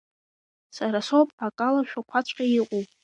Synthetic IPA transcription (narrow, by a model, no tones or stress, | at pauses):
saɾasopʼakʼalaʃᶣakʷʰat͡ɕʷʰʼqʲʼaiqʼowpʼ